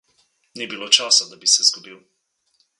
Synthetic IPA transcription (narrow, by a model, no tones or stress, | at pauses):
nibiloːt͡ʃaːsad̪abisɛzɡɔbiw